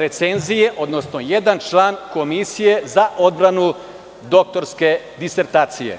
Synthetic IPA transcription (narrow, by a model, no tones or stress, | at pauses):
ɾe̞t̪senzijeʔo̞d̪no̞sno̞je̞d̪ant͡ʃlˠaːnko̞misije̞zaʔo̞d̪̚bɾanu | d̪o̞k̚t̪o̞ɾske̞ | d̪iseɾt̪aːt̪sijḛ